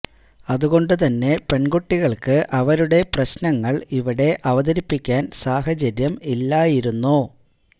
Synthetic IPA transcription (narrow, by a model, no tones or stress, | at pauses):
ɐðuɣo̞ɳɖɨt̪ɐnːe̞pe̞ɳɡoʈːiɣɐɭkɨʔɐʋɐɾuɽe̞prɐɕnɐŋːɐɭiʋiɽe̞ʔɐʋɐðɐɾipːikʲːaːnsaːɦɐt͡ɕɐɾjɐmilːaːjiɾunːu